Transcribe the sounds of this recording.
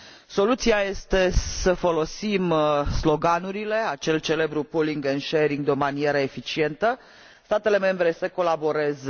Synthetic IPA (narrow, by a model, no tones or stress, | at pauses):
so̞lut̪siaje̞st̪e̞səfo̞lo̞simslo̞ɡanuɾile̞at͡ʃe̞lt͡ʃe̞le̞bɾupuliŋɡenʃeɾiŋɡ̚d̪eo̞manie̞ɾəe̞fit͡ʃie̞nt̪ə | st̪at̪e̞le̞me̞mbɾe̞səko̞labo̞ɾe̞z